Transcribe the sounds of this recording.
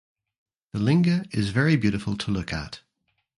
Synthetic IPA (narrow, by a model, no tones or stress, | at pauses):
ðəlɪ̃ŋɡəɹɪzvɛɹibjʉɾɪfəlˠtʰəlʊkə̰t